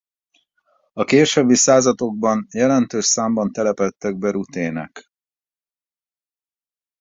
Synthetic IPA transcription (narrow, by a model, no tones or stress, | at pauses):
ɒkeːʃøbːisaːzɒt̪o̞ɡ̚bɒnjɛlɛnt̪øːʃsaːmbɒnt̪ɛlɛpɛt̪ːɛɡ̚bɛɾut̪eːnɛ̰k